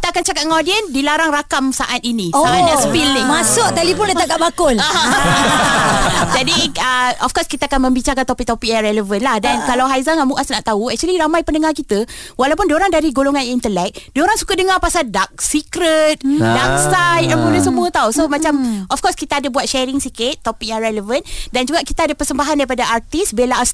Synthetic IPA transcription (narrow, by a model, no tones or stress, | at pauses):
kit̪akant͡ʃakat̪̚ŋɔdiəndilaɾaŋrakamsaʔat̪̚inĩsaanãspilniŋmasʊk̚t̪alipʊnlət̪akaʔbakʊla | d͡ʒadiəɔfkɔskit̪aakanmə̃mbit͡ʃakant̪ɔpik̚t̪ɔpik̚jarɛləvənlahdankalawɦajzaŋamuʔasnaʔt̪auɛk̚t͡ʃuəliɾamajpəndəŋarkit̪əwalawpʊndoɾaŋdaɾiɡoloŋãnint̪əlɛk̚dioɾaŋsu̥kadəŋarpasaldak̚sikɾət̪̚dak̚sajt̪aboləs̬əmũət̪ausomãt͡ʃamʔɔfkɔskit̪aadabuat̪̚ʃɛɾɪŋsikɪt̪ːopik̚jaŋɾɛləvəndand͡ʒuɡaʔkit̪aadapəsəmbaɦandaɾipadaʔart̪isbelas